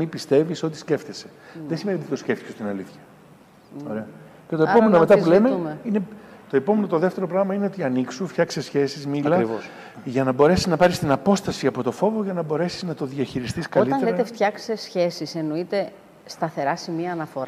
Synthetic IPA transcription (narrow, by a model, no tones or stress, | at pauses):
ipist̪e̞visot̪i̥sce̞ft̪eseðesimeniot̪it̪osceft̪icesot̪inɐliθçɐ | oɾeɐ | cet̪oepomenomet̪ɐulemeinet̪o̞e̞po̞menot̪o̞ðeft̪e̞ɾo̞pɾɐɣmɐineo̞t̪iɐniksuft̪çɐksesçe̞sizmillɐivos | ʝɐnɐbo̞ɾe̞siznɐpɐɾist̪inɐpo̞st̪ɐsiɐpo̞t̪ofo̞vo̞ʝɐnɐbo̞ɾe̞siznɐt̪o̞ðiɐçiɾist̪iskɐlit̪ɐneleɾɐt̪eft̪çɐksesçe̞sise̞noit̪e̞ | st̪ɐθe̞ɾɐsimiɐːnɐfo̞ɾɐ